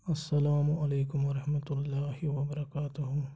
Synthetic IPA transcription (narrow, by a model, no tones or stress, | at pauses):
ɐsːɐlaːmʊʔɐleːkʊmʋɐɾɐhmɐt̪ʊlːaːhɪʋɐbɐɾɐkaːt̪ʊɦʊ